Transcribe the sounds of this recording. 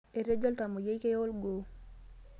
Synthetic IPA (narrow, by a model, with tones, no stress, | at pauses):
e˨ɾe˦d͡ʒɔ˦lta˨mo˨je˦jke˦jɔ˦lɡo˨